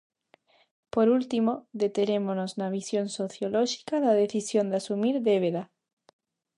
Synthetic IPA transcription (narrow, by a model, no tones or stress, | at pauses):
poɾult̪imoðe̞t̪enemonoznaβisjonsoθjoloʃi̥kaðaðe̞θisjond̪easumiɾðeβeða